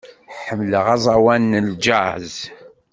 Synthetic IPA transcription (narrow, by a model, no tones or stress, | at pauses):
ħəmləʁɑzˤɑwænːəld͡ʒaʕz